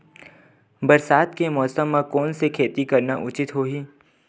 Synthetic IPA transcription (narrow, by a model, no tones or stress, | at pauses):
bɐɾsaːt̪kemɔːsəmːãkɔːnsekʰeːt̪ikɐɾnaʔʊt͡ʃɪt̪ɦoːɦiː